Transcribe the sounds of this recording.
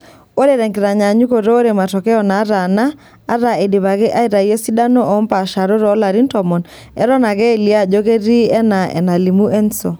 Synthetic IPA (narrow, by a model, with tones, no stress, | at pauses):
o˦ɾe˦ɾɛ˨ŋɡe˨ɾa˨ɲa˨ɲu˦ko˨ɾo˦o˦ɾe˨ma˨tɔ˨kɛ˦ɔ˨naː˨˦ɾa˨naː˦ | ɾa˨e˨de˨βa˨ɣe˦ʔa˦i˦ɾa˨i˦ɛ˦si˦da˦no˦ʔɔ˨˦mpa˨ʃa˨ɾo˦ɾɔ˦la˨ɾi˦ntɔmɔ˨n | ɛ˦ɾɔ˦na˨ɣɛ˦˨li˦a˦ʄo˦ɣe˦ɾi˦ɛ˦na˨ɛ̰˨na˨li˨mu˦ʔɛ˦nsɔ˨